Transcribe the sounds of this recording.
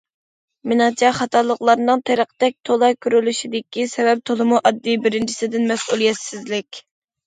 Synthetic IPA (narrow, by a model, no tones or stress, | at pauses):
mɪnɑt͡ʃʰɛχɑt̪ʰɑlˠːəqlˠɑɾnɨŋt̪ʰeɾəqə̥t̪ɛk̚ʲt̪ʰolˠɑjkʲʰyɾylyʃid̪ɪkʲisɛvɛp̚t̪ʰolˠɨmuʔɑd̪ːibɪɾɪnt͡ʃʰi̥sɪd̪ɪnmɛsʔulˠijɛt̪sɪzlɪkʲ